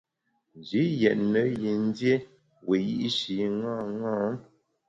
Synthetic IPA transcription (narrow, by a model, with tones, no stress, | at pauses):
n˨d͡ʒi˨˦jɛ˨ʔnə˨˦ji˨n̩˦dje˦ | we˨ji˦ʔi˦ʃi˨ŋã˦˨ŋãː˦